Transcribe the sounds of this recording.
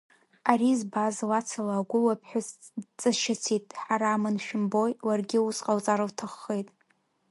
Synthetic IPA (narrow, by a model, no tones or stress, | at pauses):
aɾizbazlat͡sʰalaːɡʷʊlapʰħʷᶣaz | t͡sʼaʃat͡sʰitʼħaɾaːmɨnʃᶣɪmbo̞jwarɡʲɪusqʼawt͡sʼaɾawtʰaχːejtʼ